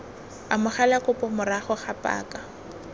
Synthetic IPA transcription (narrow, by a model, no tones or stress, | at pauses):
amʊχalakʼʊpʼɔmʊraχɔχapʼa̰ːkʼa